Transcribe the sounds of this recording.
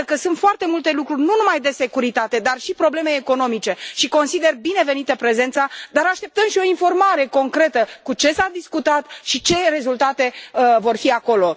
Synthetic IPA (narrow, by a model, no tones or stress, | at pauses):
kəsunt̪foart̪e̞mult̪e̞lukɾurʲnunumajd̪e̞se̞kuɾit̪at̪e̞d̪arʃipɾo̞ble̞me̞ːko̞no̞mit͡ʃe̞ʃiko̞nsid̪e̞rbine̞ve̞nit̪əpɾe̞ze̞nt̪sad̪aɾaʃt̪e̞p̚t̪əmʃio̞info̞rmaɾe̞ko̞ŋkɾe̞t̪əkut͡ʃe̞sad̪iskut̪at̪ʃit͡ʃe̞re̞zult̪at̪e̞vo̞rfiako̞lo̞